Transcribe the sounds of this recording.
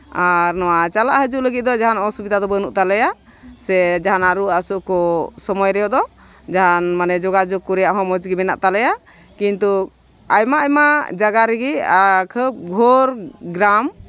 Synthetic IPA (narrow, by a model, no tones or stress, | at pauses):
aɾnɔwat͡ʃalaʔɦəd͡ʒuʔləɡit̪̚d̪ɔd͡ʒaɦanɔsubid̪ad̪ɔbənuʔt̪alɛja | sɛd͡ʒaɦanaɾuasuʔkɔsɔmɔjɾɛjɔʔd̪ɔ | d͡ʒaɦanmanɛd͡ʒɔɡad͡ʒɔɡ̚kːuɾɛjaʔɦɔ̃mɔd͡ʒɡimɛna̰ʔt̪alɛja | kint̪u | ajmaajmad͡ʒaɡaɾɛɡiakʰəp̚ɡʱɔɾɡɾam